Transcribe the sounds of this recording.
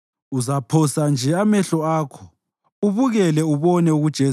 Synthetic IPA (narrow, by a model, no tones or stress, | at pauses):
uzapʰɔsand͡ʒʱɛamɛɬɔaːkʰɔ̥ | uβuɣɛlɛuβɔnɛuɣud̥ʒ̥ʱe